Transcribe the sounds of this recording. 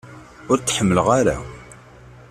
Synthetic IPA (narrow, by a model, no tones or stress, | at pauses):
ʊɾt͡sːħəmːələʁaɾa̰